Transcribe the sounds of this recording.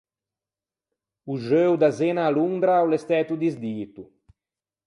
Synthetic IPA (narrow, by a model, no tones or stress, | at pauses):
uʒøwd̪azɛnaːluŋd̪ɾaawlɛst̪ɛt̪ud̪izd̪iːt̪u